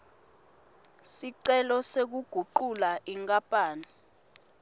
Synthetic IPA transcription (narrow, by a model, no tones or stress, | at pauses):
siǀɛlɔsek̬uɡ̥ʱuǃulaʔiŋkʼapʼaːni